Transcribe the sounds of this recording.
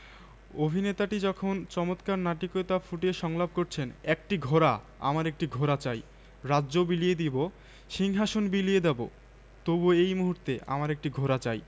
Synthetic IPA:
obʱinet̪aʈid͡ʑɔkʰont͡ɕɔmot̪kaɾnaʈikoet̪afuʈeʃɔŋlab̚koɾt͡ɕʰenɛk̚ʈiɡʱoɾa | a̰maɾek̚ʈiɡʱoɾat͡ɕaj | ɾaːd͡ʑobilijed̪ibo | ʃiŋɦaʃonbilied̪ebo̰ | t̪obuejmuɦuɾt̪eʔa̰maɾek̚ʈiɡʱoɾat͡ɕaj

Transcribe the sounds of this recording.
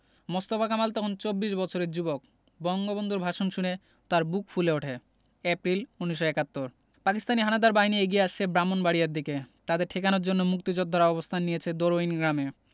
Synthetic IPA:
most̪ofakamalt̪ɔkʰont͡ɕobːiʃbɔt͡ɕʰoɾeɾd͡ʑubok̚ | bɔŋɡobond̪ʱuɾbʱaʃonʃune | t̪aɾbukfuleoʈʰe | ɛpɾiluniʃ̬ːoɛkat̪ːoɾ | pakist̪aniɦanad̪aɾbaɦinieɡijeaʃt͡ɕʰebɾamonbaɽijaɾd̪iket̪ad̪eɾʈʰekanoɾd͡ʑonːomuk̚t̪id͡ʑod̪ʱɔɾaɔbost̪ʰanːijet͡ɕʰed̪oɾoinɡɾame

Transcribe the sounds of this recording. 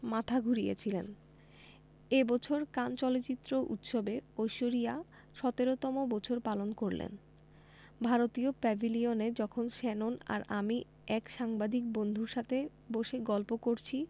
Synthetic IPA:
mat̪ʰaɡʱuɾijḛt͡ɕʰilen | ebɔt͡ɕʰoɾkant͡ɕɔlot͡ɕit̪ːɾoʔṵt̪ʃobeojʃoɾija | ʃɔt̪eɾot̪ɔmobɔt͡ɕʰoɾpalonkoɾlḛn | bʱaɾot̪iopɛbʱilioned͡ʑɔkʰonʃɛnona̰ɾami | ɛkʃaŋbad̪ʱik̚bond̪ʱuɾʃat̪ʰe | boʃeɡɔlpokoɾt͡ɕʰi

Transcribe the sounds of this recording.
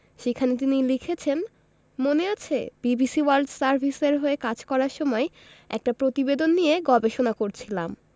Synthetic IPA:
ʃekʰanet̪̬inilikʰet͡ɕʰen | moneat͡ɕʰḛb̥ibisiwalɖsaɾbʱiseɾɦoekad͡ʑkɔɾaɾʃɔmɔe | ɛ̰k̚ʈapɾot̪ibed̪onːijeɡɔbeʃonakoɾt͡ɕʰilam

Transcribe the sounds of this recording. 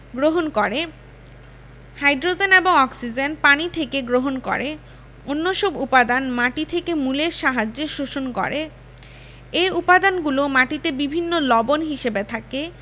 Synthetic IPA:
ɡɾoɦonkoɾe | hajɖɾod͡ʑeneboŋɔksid͡ʑenpanit̪ʰekeɡɾoɦonko̰ɾe | onːoʃɔbupad̪anmaʈit̪ʰekemuleɾʃaɦad͡ʑeʃoʃonkɔ̰ɾe | eupad̪anɡulomaʈit̪ebibʱinːolɔbonɦiʃebet̪ʰake

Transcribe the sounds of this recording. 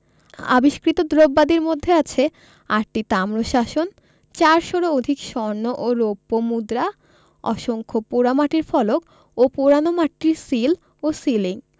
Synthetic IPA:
a̰biʃkɾit̪od̪ɾobːad̪iɾmod̪ʱːeat͡ɕʰe | aɾʈit̪amɾoʃaʃon | t͡ɕaɾʃoɾood̪ʱikʃɔɾnoʔoɾopːomud̪ɾa | ɔ̰ʃoŋkʰopuɾamaʈiɾfɔlok | opoɾanomaʈːiɾsil | osiliŋ

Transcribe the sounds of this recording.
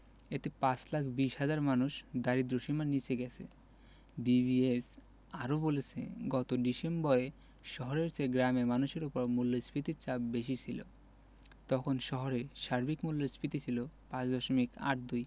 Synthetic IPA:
et̪epãt͡ɕlakʰbiʃɦad͡ʑaɾmanuʃd̪aɾid̪ɾuʃimanit͡ɕʰeɡɛt͡ɕʰḛ | bibies | aɾobolet͡ɕʰḛɡɔt̪oɖisembɔɾe | ʃɔɦoɾeɾt͡ɕeɡɾamemanuʃeɾupoɾmulːospit̪iɾt͡ɕabbeʃit͡ɕʰilo̰ | t̪ɔkʰonʃɔɦoɾeʃaɾbikmulːospit̪it͡ɕʰilopãt͡ɕd̪ɔʃomika̰ʈ̚d̪uj

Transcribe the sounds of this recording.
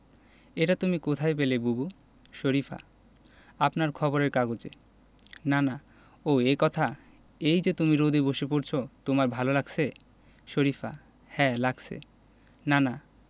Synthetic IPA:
eʈat̪umikot̪ʰajpelebubu | ʃoɾifa̰ | apnaɾkʰɔboɾeɾkaɡot͡ɕḛ | nana | oekɔt̪ʰa | ejd͡ʑet̪umiɾod̪ʱiboʃepoɾt͡ɕʰot̪omaɾbʱalolaɡsʰe | ʃoɾifa̰ | hɛlaɡsʰḛ | nana

